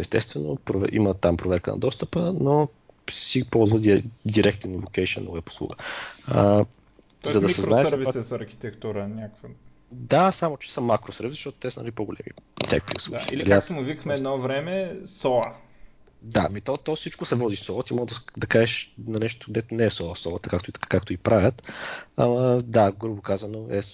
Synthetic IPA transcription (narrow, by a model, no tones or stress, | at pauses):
ɛst̪ɛst̪vɛno̰pɾovɛ̰ʔḭmət̪ampɾovɛɾkənɐ̰d̪ɔst̪əpəno | sipɔlˠzvəd̪d̪iɾʔɛk̚t̪invokɛʃiə̰noɛpo̥slˠṵɡəə | zzɐd̪ɐsɛznaɛsɛviasɛsɐɾxi̥t̪ɛkt̪uɾənʲakvə | d̪asamot͡ʃɛ̥səmakɾosəɾvisz̥ʃt̪ɔt̪o̥t̪ɛsənɐ̰lipoɡolɛ̰mḭt̪ɛ̰k̚t̪islˠuiilɐ̰liaat̪oʊvikəxmɛɛd̪nɔvɾɛmɛsɔə | d̪a̰mit̪ɔt̪ɔfsit͡ʃkʊsɛvɔd̪isɔət̪imɔɡəd̪ɐd̪ɐkaʒɛʃnɐnɛʃ̬t̪ʊ̥ɡd̪ɛt̪ʊnɛɛsɔəsɔət̪əkak̚t̪oit̪ḁkakt̪oipɾavʲət̪ɐ̰mɐd̪aɡɾubokazɐnoɛ